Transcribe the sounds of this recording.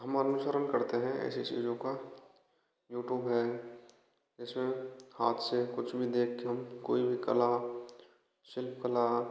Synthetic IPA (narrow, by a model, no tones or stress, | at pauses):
ɦɐmənənʊʃəɾənkɐɾt̪eɦɛ̃ɛ̰ːsesḭːɖjõka | juːʈjuːbɦɛ | d͡ʒɪsmẽhaːt̪ʰsekʊt͡ʃʰbʱid̪eːkʰkeɦɐmko̰ːibʱikɐla | ʃɪlpkəla